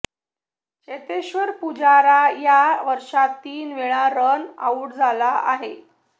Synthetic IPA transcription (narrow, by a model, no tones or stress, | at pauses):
t͡ɕet̪eɕʋəɾpud͡ʑaɾajaʋəɾʂat̪ːiːnʋeɭaɾəna̰uʈd͡zʱalaaɦe